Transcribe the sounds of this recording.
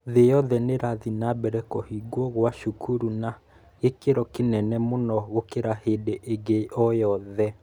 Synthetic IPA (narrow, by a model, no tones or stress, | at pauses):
ðejɔðɛneɾaðinabɛɾɛkɔhiɡwɔɣwaʃukʰuɾuna | ekeɾɔkenɛnɛmonɔɣokeɾahedeʔeɡeʔɔjɔðɛ